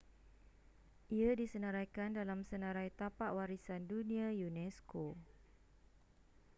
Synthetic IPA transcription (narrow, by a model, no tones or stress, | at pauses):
ʔiadisənəɾajkandalamsənãɾajt̪apaʔwaɾisandunĩajunɛsko